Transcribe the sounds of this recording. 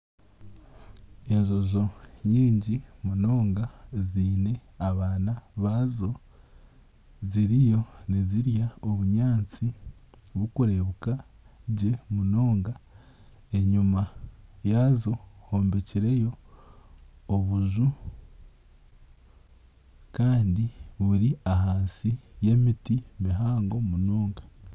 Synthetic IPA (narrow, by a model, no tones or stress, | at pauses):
e̞nzo̞zo̞ɲiːɲɟimuno̞ːŋɡaziːne̞aβaːnaβaːzo̞ | ziɾijo̞neziɾjaoβuɲaːnt͡si | βukuɾe̞βuka | ɟe̞muno̞ːŋɡa | e̞ɲumajazo̞hoːmbeciɾe̞jo̞ | βuzu | kaːndiβuɾiaɦaːnsije̞mitimiɦaːŋɡo̞muno̞ːŋɡḁ